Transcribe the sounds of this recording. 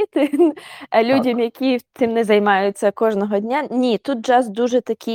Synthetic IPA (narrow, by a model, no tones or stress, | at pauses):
it̪ɪnɐlʲudʲɐmjɐkʲit̪ɪmnɛzɐjmɑjʊt͡sʲːɐkɔʒnɔɦɔdʲnʲanʲit̪ut̪̚d͡ʒɑzd̪uʒɛt̪ɐkʲi